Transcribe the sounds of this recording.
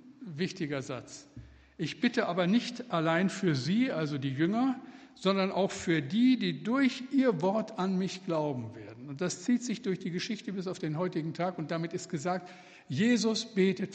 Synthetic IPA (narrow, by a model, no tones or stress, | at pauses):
vɪçtɪɡɐza̰t͡s | ʔɪçb̥ɪtəʔaːbɐnɪçtʔalaɪnfyːɐziːʔalzodiːjʏŋɐ | z̥ɔndɐnʔaʊxfyːɐdiːdiːdʊɐçʔiːɐvɔɐtanmɪçɡ̥laʊbm̩veːɐdn̩ʊnt̚d̥ast͡siːtz̥ɪçd̥ʊɐçd̥iːɡəʃɪçtəbɪs̬aʊfd̥eːnɦɔʏtɪɡŋ̩tʰaːkʊnt̚d̥amɪtɪst̚ɡ̥əzaːk̚t | jeːzʊsb̥eːtət